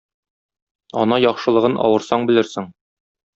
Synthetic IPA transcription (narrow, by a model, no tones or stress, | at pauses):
ɒnɑjɒχʃɤ̆lˠɤ̆ʁɤnʔɒ̰wɤ̆ɾsɑɴbɘ̆lɘɾsɘŋ